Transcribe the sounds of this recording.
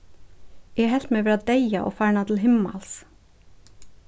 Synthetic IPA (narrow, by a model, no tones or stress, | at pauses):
ʔiːeːhɛlt̪meːʋɛːɾɑd̪eɪɑʔo̰ːfæːɳɑt̪ʰl̩hɪmɑ̰ls